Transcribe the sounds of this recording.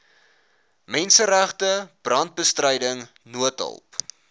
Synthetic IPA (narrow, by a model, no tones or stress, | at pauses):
mɛnsəɾæχtəb̥rɐnt̚bəstrəjdəŋ | nuətɐ̰lˠp